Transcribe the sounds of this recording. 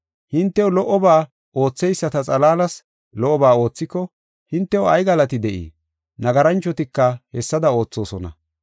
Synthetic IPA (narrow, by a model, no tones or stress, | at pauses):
hɪnt̪ːɛwlɔʔɔbaː | o̞ːt͡sːɛjsːɐt̪ɐt͡sʼɐlaːlɐs | lɔʔːɔbaːo̞ːt͡sːɪkːɔ | hɪnt̪ːɛwɔɐjɡɐlɐt̪ɪd̪ɛʔḭː | nɐɡɐɾɐnt͡ʃːɔt̪ɪkːɐhɛsːɐd̪ɐo̞ːt͡sːo̞ːsɔnɐ̰